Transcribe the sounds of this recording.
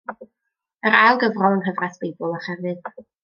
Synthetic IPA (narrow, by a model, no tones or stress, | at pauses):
əɾalˠɡəvrɔlˠənɦəvrasb̥ejbʊlˠaχɛvɨd̥